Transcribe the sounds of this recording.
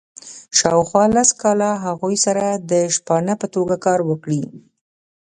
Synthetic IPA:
ʃɑwxwɑlaskɑlaɦaɣujsaɾad̪əʃpɑnəpət̪oɡakɑɾwəkɽi

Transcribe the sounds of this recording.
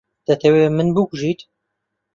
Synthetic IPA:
d̪̥ɐt̪ʰɛwemɨnbɨkʷuʒit̪

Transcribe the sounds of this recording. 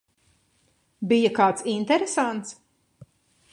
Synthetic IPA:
bijakaːt̪sint̪ɛɾesant̪s

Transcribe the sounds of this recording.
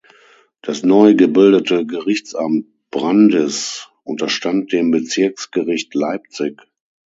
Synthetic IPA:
d̥asnɔʏɡəbɪldətəɡəʁɪçt͡sʔamt̚b̥ʁandəsʔʊntɐʃtant̚d̥eːmbət͡sɪɐksɡ̥əʁɪçtlaɪp̚t͡sɪk

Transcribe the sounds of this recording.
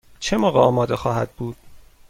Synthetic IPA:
t͡ʃʰemɒːɣeɒːmɒːd̪exɒːhæd̪̥̚buːd̪̥

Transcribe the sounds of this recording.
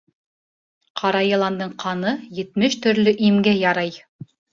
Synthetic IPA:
qʰɑɾɑjɤ̆lˠɑnd̪ɤɴqʰɑnɤjɘ̆t̪mɘʃt̪ɵ̆ɾlɵʔimɡæjɑɾɑj

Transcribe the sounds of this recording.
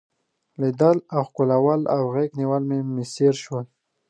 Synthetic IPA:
lid̪alawxkolawala̰wɣekniwalmemɪseɾʃwəl

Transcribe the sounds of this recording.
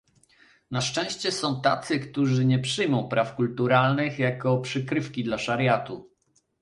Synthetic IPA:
naʂt͡ʂɛ̃w̃ɕt͡ɕɛsɔ̃w̃t̪a̰t̪sɘkt̪uʐɘɲɛpʂɘjmɔ̃w̃pɾʔafkult̪uɾalnɘxjakɔpʂɘkɾɘfkʲid̪laʂaɾjat̪u

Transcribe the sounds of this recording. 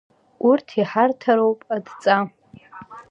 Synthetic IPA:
urtʰiħartʰaɾowpʼadt͡sʼa

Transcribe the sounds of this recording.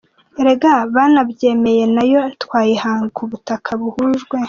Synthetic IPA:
ɾeɡaβanabje̞ːme̞je̞najo̞twaːjihaːŋɡuβutakʰaβuhuʒɡwe̞

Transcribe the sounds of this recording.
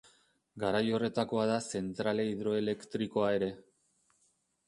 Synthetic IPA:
ɡaɾajo̞re̞t̪ako̞aðase̞nt̪ɾaleiðɾo̞e̞le̞kt̪ɾiko̞ae̞ɾe̞

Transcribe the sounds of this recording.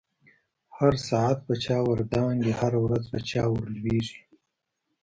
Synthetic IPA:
haɾsɑat̪̚pət͡ʃɑːwaɾd̪ɑŋɡehaɾawɾazpət͡ʃɑwəɾlweʐi̥

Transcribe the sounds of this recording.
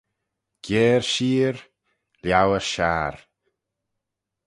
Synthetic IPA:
ɡ̥ɛːɾʃiːɾ | ljawəɾʃaːɾ

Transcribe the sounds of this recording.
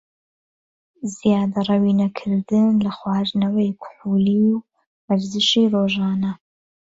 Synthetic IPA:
zjɑːd̪ɐrˤɐwiːnɐkʰɨɾd̪ɨnlɐxwɑːɾnɐwɐjkʰʊ̥ħuːliw | maɾzɨʃiːroːʒɑːnɐ

